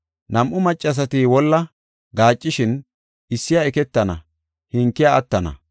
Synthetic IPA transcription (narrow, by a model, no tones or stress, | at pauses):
nɐmʔʊmɐt͡ʃʼːɐs̬ɐt̪iwɔlːɐ | ɡaːt͡ʃʼːɪʃɪn | ɪsːɪjɐɛkɛt̪ːɐnɐ̰ | hɪŋkːɪjɐɐt̪ːɐnɐ̰